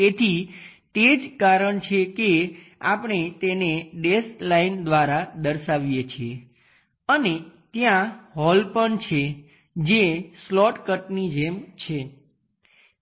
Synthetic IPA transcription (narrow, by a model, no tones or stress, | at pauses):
et̪ʰit̪ed͡ʒkaɾəɳt͡ʃʰeke | apɳ̃et̪eneɖeslaind̪ʋaɾad̪əɾʃaʋjet͡ʃʰie | ənet̪jãɦɔlpəɳt͡ʃʰe | d͡ʒeslɔʈkəʈnid͡ʒemt͡ʃʰe